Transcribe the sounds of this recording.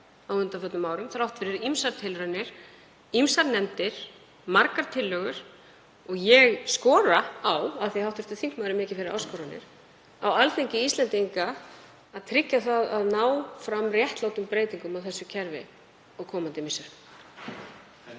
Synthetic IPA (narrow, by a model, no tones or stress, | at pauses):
awʏnt̪afœt̪nmaːwɾʏmθɾawht̪fɪɾɪɾimsaɾt̪ʰɪlɾœnːɪɾ̥ | imsaɾnɛnt̪ɪɾ̥ | maɾkaɾ̥t̪ʰɪlːœːɣʏɾ̥ | ɔɣjɛɣskɔːɾaawaðθihawht̪ʏst̪ʏθiŋkmaːðɾɪmɪːcɪfɪɾɪɾa̰ːwskɔːɾanɪ̰ɾ̥ | awalθeŋcɪist̪lɛnt̪iŋkaː | ðt̪ʰɾɪcːaθaðaðnaːwfɾamrjɛht̪laːwt̪ʏmpɾeːjt̪iŋkʏmawθɛsːʏcʰɛɾvɪ̰ | ɔɣkʰɔːmant̪ɪmɪsːʏɾ̥